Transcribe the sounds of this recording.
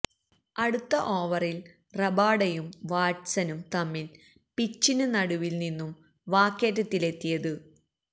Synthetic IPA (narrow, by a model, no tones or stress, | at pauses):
ɐɽut̪ːɐʔoːʋɐril | rɐbaːɽɐjumʋaːʈsɐnumt̪ɐmːil | pit͡ɕːinɨnɐɽuʋilninːum | ʋaːkːeːtːɨt̪ːile̞t̪ːijɐðɨ